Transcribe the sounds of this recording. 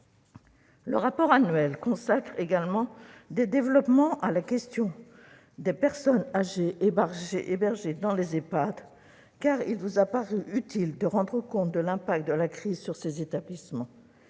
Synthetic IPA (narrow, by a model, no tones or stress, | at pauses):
lə̰ʁapɔʁanɥɛlkɔ̃sakχeɡalmɑ̃d̪ed̪evlɔpmɑ̃ʔalakʲɛst̪jɔ̃ | d̪epɛʁsɔnaʒeʔːbaʁʒeʔebɛʁʒed̪ɑ̃lezepad̪ | kaʁilvuzapaʁyʔyt̪ild̪əʁɑ̃d̪ʁəkɔ̃t̪̚d̪əlɛ̃pak̚t̪̚d̪əlakχizsyʁsezet̪ablismɑ̃